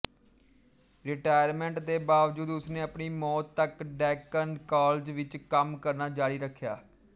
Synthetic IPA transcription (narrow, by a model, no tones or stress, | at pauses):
ɾɪʈaːjəɾmɛ̃ːɳʈd̪eːbaːʋd͡ʒuːd̪ʊsnẽːəpɳiːmɔːt̪ːəkɖɛːkənɖkaːld͡ʒʋɪt͡ʃkəmkəɾnaːd͡ʒaːɽiːɾəkʰːja̰ː